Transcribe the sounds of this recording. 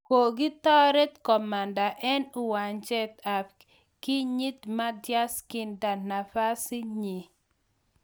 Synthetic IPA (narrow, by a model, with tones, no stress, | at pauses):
ko˨ɡɪ˦t̪ɔ˦ɾɛ˦t̪kɔ˨ma˨nda˨ʔɛ˦nu˨wa˨ɲd͡ʒɛ˦t̪a˨p | kɪ˦ɲi˦t̪ma˦dja˦skɪ˨nda˨na˨fa˦si˦ɲi˨